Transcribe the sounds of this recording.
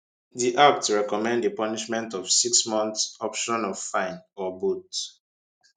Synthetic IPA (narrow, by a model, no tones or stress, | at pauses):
ðiʔak̚tɹɛkɔmɛ̃ndəpɔniʃmɛ̃ntɔv̥siksmɔ̃nθsɔpʃɔ̃nɔv̥fãɪ̃nɔbut